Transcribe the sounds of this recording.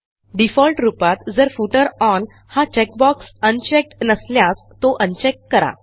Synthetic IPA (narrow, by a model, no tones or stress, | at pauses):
ɖifɔlʈɾupat̪d͡zəɾfuʈəɾɔn | hat͡ɕɛk̚bɔksənt͡ɕɛk̚ʈnəsljas | t̪oʔənt͡ɕɛk̚ʈkəɾa̰